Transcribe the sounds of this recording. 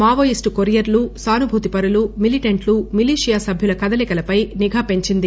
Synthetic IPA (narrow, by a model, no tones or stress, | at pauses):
maːʋojisʈukoɾijɐɾlusaːnubʱuːt̪ipɐɾulumiliʈɐɳʈlumiliːʂijaːsɐbʱjulɐkɐd̪ɐlɛkɐlɐpɐjniɡʱaːpe̞ɲt͡ʃind̪i